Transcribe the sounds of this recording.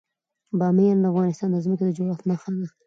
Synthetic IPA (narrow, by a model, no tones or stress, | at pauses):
bɑmejɑnd̪əafɣɑnɪst̪ɑnd̪əzməked̪əd͡ʒoɽɑt̪naxad̪a